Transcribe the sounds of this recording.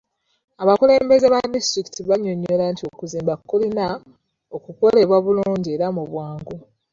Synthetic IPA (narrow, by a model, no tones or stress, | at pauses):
aβakule̞ːmbe̞zeβadistɾiki̥tiβaɲːoɲːolantio̞kuziːmbakːulina | o̞kuko̞le̞βwaβuluːɲɟie̞ɾamuβwaːŋɡu